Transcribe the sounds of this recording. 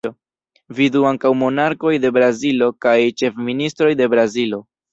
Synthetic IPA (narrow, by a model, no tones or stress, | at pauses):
o | viduaŋkawmo̞naɾko̞jde̞bɾazilo̞kajt͡ʃe̞fministɾo̞jde̞bɾazilo̞